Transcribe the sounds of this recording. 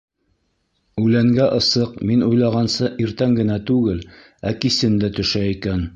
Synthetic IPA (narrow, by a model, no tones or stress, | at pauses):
ʉlæŋɡæʔɤ̆sɤqminujlˠɑʁɑnsɤʔiɾt̪æŋɡɘ̆næt̪ʉɡɘl | ækisɘnd̪æt̪ɵ̆ʃæikæn